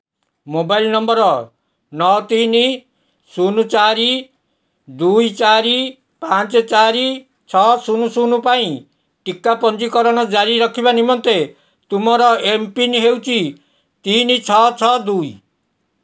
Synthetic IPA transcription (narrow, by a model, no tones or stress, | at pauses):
mobailnɔmbɔɾɔ | nɔt̪ini | sunut͡ʃaɾi | d̪ujt͡ʃaɾi | pãnt͡ʃɔt͡ʃaɾi | t͡ʃʰɔsunusunupaĩ | ʈikːapɔnd͡ʒikɔɾɔñɔd͡ʒaɾiɾɔkʰibanimɔnt̪e | t̪umɔɾɔempinɦewt͡ʃʰi | t̪init͡ʃʰɔt͡ʃʰɔd̪ui